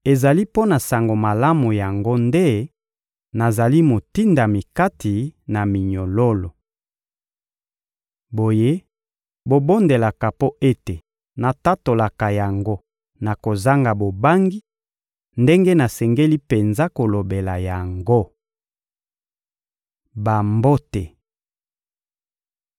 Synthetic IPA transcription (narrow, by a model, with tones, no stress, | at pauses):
e˨za˨li˦po˦na˨sa˨ŋɡo˨ma˨la˦mu˨ja˨ŋɡo˦nde˦ | na˨za˨li˦mo˨ti˦nda˨mi˨ka˦ti˨na˨mi˨ɲo˨lo˦lo˨ | bo˨je˦ | bo˨bo˦nde˨la˨ka˨po˦ʔe˦te˨ | na˨ta˦to˨la˨ka˨ja˨ŋɡo˦ | na˨ko˨za˦ŋɡa˨bo˨ba˦ŋɡi˦ | nde˦ŋɡe˦na˨sɛ˨ŋɡe˦li˦pe˨nza˦ko˨lo˨be˨la˨ja˨ŋɡo˦ | ba˨mbo˦te˨